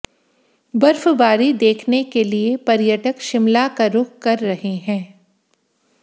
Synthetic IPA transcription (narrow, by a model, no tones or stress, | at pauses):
bɐɾfbaːɾid̪eːkʰnekeliepɐɾjəʈəkʃɪmlakaɾʊkkɐɾːɐɦeɦɛ̃ː